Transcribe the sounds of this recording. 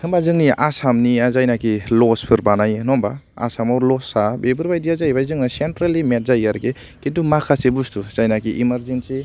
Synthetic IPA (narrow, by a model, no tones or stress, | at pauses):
ɯmbazɯŋniasamniazajnakilɔspʰɯɾbanajnɔmbaa̰samawlɔsabebɯɾbajdiazajbajzɯŋnasentɾalimet̚zajaɾke | kidumakʰasebustuz̥ajnakiʔimɐɾzensi